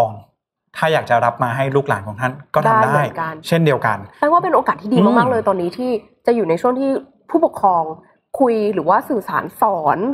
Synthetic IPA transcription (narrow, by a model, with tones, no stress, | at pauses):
ɔː˧ŋ | t̪ʰaː˥˩jaː˨˩k̚t͡ɕa˨˩ɾa˦˥p̚maː˧ɦa˥˩jluː˥˩k̚la̰ː˩˦nkʰɔː˨˩˦ŋt̪ʰa˥˩nkɔː˥˩aː˥˧˥daː˥˩˧jka˧nt͡ɕʰe˥˩ndi˧əwka̰˧na˥˩kwaː˥˩pe˧nʔoː˧kaː˨˩t̪ʰːiː˥diː˧maː˥˩k̚maː˥˩k̚lɤː˧jt̪ɔː˧nːiː˦˥t̪ʰiː˥˩ | t͡ɕa˨ʔjuː˨˩na˧jt͡ɕʰu˥˩əŋt̪ʰiː˥˩ | pʰuː˥˩pu˨˩kʰɾɔː˧ŋ | kʰu˧jɾɯː˩˦waː˥˩sɯː˨˩saː˩˦nsɔː˩˦n